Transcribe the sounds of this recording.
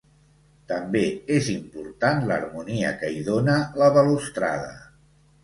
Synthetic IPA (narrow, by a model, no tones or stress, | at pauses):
t̪əmbeezimpuɾt̪anlə̰ɾmuniə̰kəiðonələβəlust̪ɾa̰ðə̰